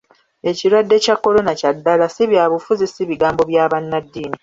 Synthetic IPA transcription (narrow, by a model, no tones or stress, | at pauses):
e̞ciɾwadːe̞cakːo̞lo̞nacadːalasiβjaːβufuzisiβiɡaːmbo̞βjaːβanːadːiːni